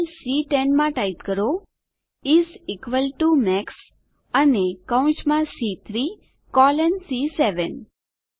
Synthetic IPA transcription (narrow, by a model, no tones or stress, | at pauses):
lsiʈenmãʈait̪kəɾo | izikʋəlʈumɛks | ənekəw̃t͡ʃmãsit̪ʰɾi | kɔlɛnsisɛʋən